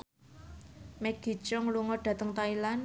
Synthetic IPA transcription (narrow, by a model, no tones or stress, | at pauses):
mɛɡ̥i̤̥t͡ʃɔŋluŋɔɖ̥a̤t̪əŋt̪ailan